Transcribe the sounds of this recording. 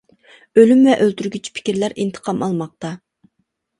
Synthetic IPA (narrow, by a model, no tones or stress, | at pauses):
ølymvɛʔølt̪ʰyɾɡʲyt͡ʃʰpʰi̥kʲiɾlæɾint̪ʰə̥qʰɑmɑlˠmɑq̚t̪ɑ